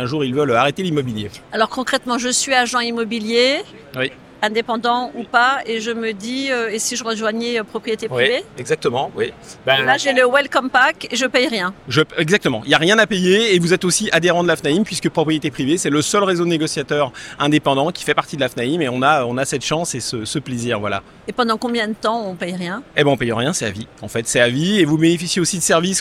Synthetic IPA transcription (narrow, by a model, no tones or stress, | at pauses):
ɛ̃ʒuʁilvœlaʁet̪elimɔbiljealɔʁkɔ̃kχɛt̪mɑ̃ʒəsɥiaʒɑ̃imɔbilje | wi | ɛ̃d̪epɑ̃d̪ɑ̃upaeʒəməd̪iøesiʒəʁəʒwaɲɛøpχɔpχijet̪epiveɛɡzak̚t̪əmɑ̃wibɛlaʒeləwɛlkɔmpakeʒəpɛjʁjɛ̃ʒəɛɡzak̚t̪əmɑ̃iljaʁjɛ̃napejeːvuzɛt̪osiʔad̪eʁɑ̃d̪əlafnaimpɥiskəpχɔpχijet̪epχivesɛləsœlʁezoneɡɔsjat̪œʁɛ̃d̪epɑ̃d̪ɑ̃kʲʰi̥fɛpaʁt̪id̪əlafnaimeɔ̃naøɔ̃nasɛt̪ʃɑ̃sesəsəpleziːʁvwala̰ | epɑ̃d̪ɑ̃kɔ̃bjɛ̃d̪ət̪ɑ̃ɔ̃pɛjʁjɛ̃ɛbɛɔ̃pɛjɔ̃ʁjɛ̃sɛa̰viɑ̃fɛt̪sɛavievubenefisjeosid̪əsɛʁvis